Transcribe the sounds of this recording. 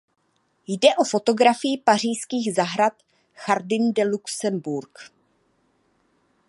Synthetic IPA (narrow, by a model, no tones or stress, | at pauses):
jdɛʔo̞fo̞t̪o̞ɡɾafɪjɪpar̝ijskiːɣzaɦɾat̪ | xaɾdɪndɛluksɛmbuɾk